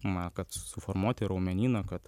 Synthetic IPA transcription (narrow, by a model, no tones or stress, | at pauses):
mɐkɐt̪sʊformuɔt̪ʲɪɾɐʊmʲɛnʲiːnɐkɐt̪